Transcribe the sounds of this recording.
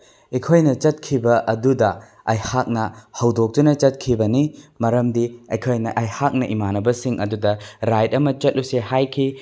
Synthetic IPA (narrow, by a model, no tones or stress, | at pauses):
ikʰojnɐt͡ʃɐt̚kʰibɐʔɐdudɐ | ɐjhak̚nɐhɐwdok̚tunɐt͡ʃɐt̚kʰibɐnimɐɾɐmdiɐjkʰojnɐʔɐjhak̚nɐʔimanɐbɐsiŋʔɐdudɐɾajt̚ɐmɐt͡ʃɐt̚lusehajkʰi